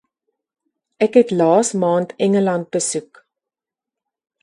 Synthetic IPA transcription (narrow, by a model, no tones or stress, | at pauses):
ʔɛkɦɛtlɑːsmɑːntʰɛŋəlɐnt̚bəsuk